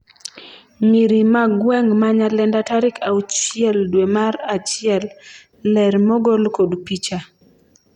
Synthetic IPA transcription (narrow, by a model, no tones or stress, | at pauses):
miɾimaɡwɛŋmaɲalɛndataɾɪkaut͡ʃiɛldwemaɾat͡ʃɪɛlː | ɛɾmɔɡolkodpit͡ʃa